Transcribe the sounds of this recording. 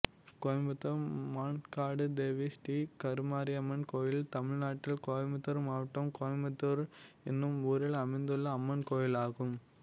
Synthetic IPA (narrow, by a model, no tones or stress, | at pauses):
koːjmbɐt̪ːɐmaːnkaːɽɯd̪eːʋisʈiːkɐɾɯmaːɾiɐmːɐnkoːjɪlt̪ɐmɪɻnaːʈːɪlkoːɐmbɐt̪ːɐɾmaːʋɐʈːɐmkoːɐmbɐt̪ːɯɾ | ɪnːɯmuːɾɐlɐmɐɪnd̪ɯɭːɐːmːɐnkoːjɪlaːɣɯm